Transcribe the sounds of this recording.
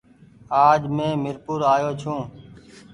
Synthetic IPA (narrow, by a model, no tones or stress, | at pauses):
aːd͡ʒmẽːmɪɾpuːɾaːjoːt͡ʃʰũː